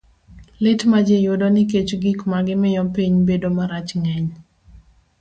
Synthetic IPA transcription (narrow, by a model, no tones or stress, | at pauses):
lɪtmad͡ʒejʊdɔnɪk̬et͡ʃɡikmaɡɪmɪjɔpiɲbedomaɾat͡ʃŋɛɲ